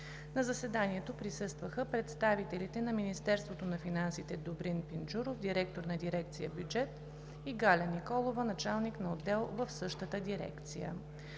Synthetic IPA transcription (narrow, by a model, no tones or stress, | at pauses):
nɐzɐsɛd̪aniɛt̪opɾisɤst̪vəxəpɾɛt̪st̪avit̪ɛlit̪ɛnɐminist̪ɛɾst̪vot̪onɐfinansit̪ɛd̪obɾinpind͡ʒuɾofd̪iɾɛk̚t̪oɾnɐd̪iɾɛk̚t̪sijə̰bjud͡ʒɛt̪ | iɡalʲɐnikɔlˠovənɐt͡ʃalˠniknɐod̪ːɛlˠvəfsɤʃt̪ət̪əd̪iɾɛ̰kt̪sḭjə̰